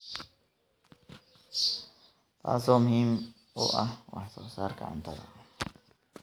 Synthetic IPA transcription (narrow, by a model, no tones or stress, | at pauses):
t̪a̰somhim | o̰ʔawa̰sosaɾka̰a̰nt̪aɾa̰